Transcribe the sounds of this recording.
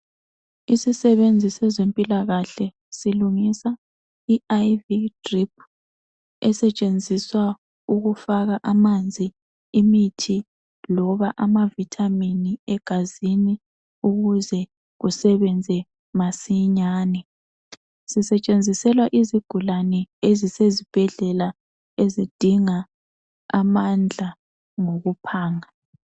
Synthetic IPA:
isisɛβend͡zʱisɛzempʼilaɣaɬɛ | siluŋisa | iajvitʼrip̚ʰ | ɛsɛt͡ʃʼend͡zʱiswa | uɣufaɣaʔamand͡zʱi | imitʰi | lɔβaʔamavitʰʼaminiɛɡ̥ʱazini | uɣuzɛ | ɣusɛβɛnd͡zʱɛ | masiɲaːnɛ | sisɛt͡ʃʼend͡zʱisɛlwaʔiziɡ̥ʱulanɛezisezib̥ʱɛɮɛla | ezid̥ʱiŋa | amand͡ɮʱa | ŋoɣupʰaːŋa

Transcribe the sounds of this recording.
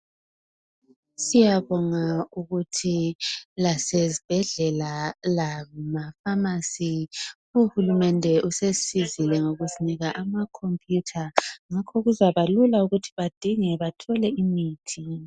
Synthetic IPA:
sijaβɔŋauɣutʰilasezib̥ʱɛɮɛlalaŋumafamasi | uhulumɛndʱɛʔusesizilɛŋoɣuziniɣaʔamakʰompʼʰjutʰaŋakʰɔɣuzaβalulauɣutʰi̥βad̥ʱiŋɛβatʰɔlɛimiːtʰi

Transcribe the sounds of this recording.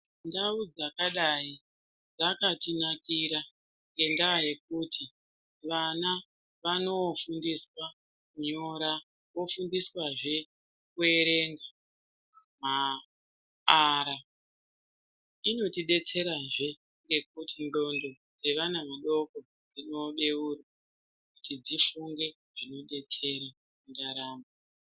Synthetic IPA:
ndaud͡zakaɗai | d͡zakatinakiɾa | ŋɡe̞ndaaje̞k̚utʰi | ʋana | ʋano̞fundiswa | kuɲo̞ɾa | wo̞fundiswaʐe̞ | kue̞ɾe̞ŋɡa | ma | aɾa | ino̞tiɗe̞t͡se̞ɾaʐe̞ | ŋɡe̞k̚utʰindo̞ndo̞ | d͡ze̞ʋanaʋaɗo̞ko̞ | d͡zino̞ɗe̞urwa | kutid͡zifuŋɡe̞ | ʐ̥ino̞ɗe̞t͡se̞ɾa | mundaɾaːmba

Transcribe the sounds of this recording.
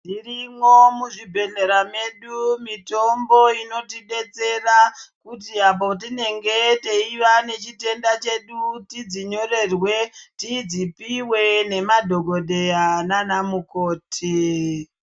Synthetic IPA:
ndirimo̞muʐibʱe̞ne̞ɾame̞ɗumito̞mbo̞ino̞tiɗe̞t͡se̞rakutiap̬o̞t̬ine̞ŋɡe̞te̞iʋane̞t͡ʃite̞ndat͡ʃe̞ɗutid͡ziɲo̞ɾe̞rwe̞tid͡zipiwe̞ne̞madʱo̞ɡʱo̞de̞ananamuko̞ːtʰi

